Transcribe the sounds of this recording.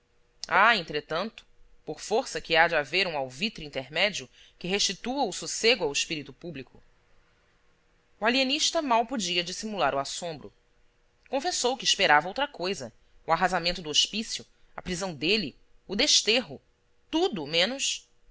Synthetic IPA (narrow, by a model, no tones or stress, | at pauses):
aẽnt̪ɾet̪ɐ̃nt̪ʊ̥poɾfoɾsɐkɪad͡ʒaveɾũawvit̪ɾuĩnt̪eɾmɛd͡ʒiʊ | kɪɦeʃt͡ʃit̪uɐʊsuseɡʊawɪʃpiɾit̪ʊpublikʊ | ualieniʃt̪ɐmawpod͡ʒiɐd͡ʒisimulaɾʊasõmbɾʊ̰ | kõfesowkɪːʃpeɾavɐowt̪ɾɐkojzɐ̰ | ʊaɦazamẽnt̪ʊd̪ʊoʃpisjʊ | ɐ̰pɾizɐ̃w̃d̪eli | ʊd̪eʃt̪eɦʊ | t̪ud̪ʊmẽnʊs